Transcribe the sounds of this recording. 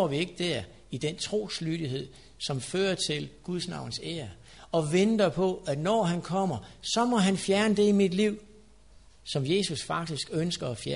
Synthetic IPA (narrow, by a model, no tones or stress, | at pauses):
ʋie̝ɡ̥əd̥æɐ̰ | id̥ent͡sʰʁo̝̰ːslyd̥iɦe̝ð̞̰ˠ | sɒ̽mføːɐt͡sʰe̝lɡ̥uðˠsnɑ̈ʊn̩seːɐ | ɒ̽ʋend̥ɐpʰɒ̽ænɒːɦænkʰɒ̽m̰ɐsɒ̽mɒ̽ɦænfjæɐnəd̥e̝imid̥liʊ̰ | sɒ̽mje̝ːsusfɑ̈ɡ̥̚d̥isɡ̥ønsɡ̥ɐɒfjæ